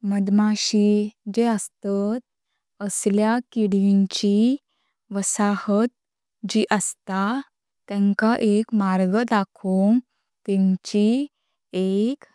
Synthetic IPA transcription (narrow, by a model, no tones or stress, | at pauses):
məd̪maɕid͡ʑeəst̪at̪̚ | əsljakiɽiɲt͡ɕi | ʋəsahət̪̚ | d͡ʑiʔəst̪a | t̪ɛ̃ŋkaʔekmaɾɡəd̪akʰoŋ | t̪ɛ̃ɲt͡ɕi | ek